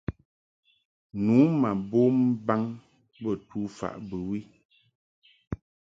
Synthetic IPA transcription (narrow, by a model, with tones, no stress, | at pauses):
nuː˨˦ma˨bo˦m̩˦ba˦ŋ | bə˦˨tʰu˦fa̰˨ʔbə˨wi˦